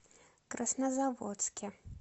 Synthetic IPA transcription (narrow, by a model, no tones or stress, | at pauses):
kɾɐsnɐzavot̪skʲɛ